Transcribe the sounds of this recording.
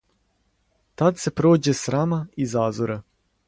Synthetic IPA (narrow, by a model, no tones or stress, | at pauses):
t̪ad̪se̞pɾo̞ːd͡ʑesɾaːmaizaːzoɾa